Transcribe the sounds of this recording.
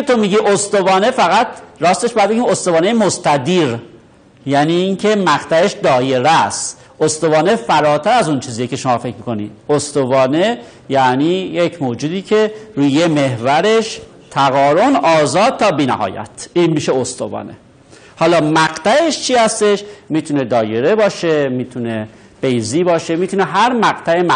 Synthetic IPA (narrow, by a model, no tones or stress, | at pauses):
et̪ʰo̞miɟiʔost̪ovɒːne̞fæɣæt̪ʰɾɒːst̪e̞ʃbeæd̪beɟimost̪o̞vɒːnejemost̪æd̪iːɾ | jæniːncʰe̞mæqt̪ʰæeʃd̪ɒːjeɾæst̪ | ost̪o̞vɒːne̞fæɾɒːt̪ʰæɾæzunt͡ʃʰiːzijecʰe̞ʃo̞mɒːfe̞cʰmiːkʰo̞nḭːd̪ost̪ovɒːne̞ | jæniːjecʰmoːd͡ʒuːd̪iːcʰeɾuːjeme̞hvæɾe̞ʃ | t̪ʰæɣɒːɾonɒːzɒːd̪̚t̪ʰɒːbiːnæhɒ̰ːjæ̰t̪ʰiːnmiːʃeost̪o̰vɒ̰ːne̞̰ | hɒːlɒːmæɡt̪ʰæeʃt͡ʃʰiːhæst̪e̞ʃmiːt̪ʰune̞d̪ɒːje̞ɾe̞bɒːʃemiːt̪ʰune̞ | b̥e̞jziːbɒːʃemiːt̪ʰuneɦæɾmæɣt̪ʰæem